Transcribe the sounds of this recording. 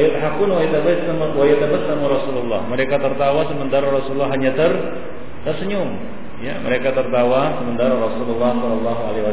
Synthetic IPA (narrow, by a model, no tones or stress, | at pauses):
jət̪ɦakʊnwajit̪abəsamawajɛt̪abəsamaɾɔsululːɑ̰hməɾekat̪ərt̪awasəmənt̪arrɔsululːaɦaɲat̪ər | t̪ərsəɲʊŋ | jamə̰ɾekat̪ərt̪awasəmənt̪arrɔsululːɑhsɔlɔlːɑɦualiwa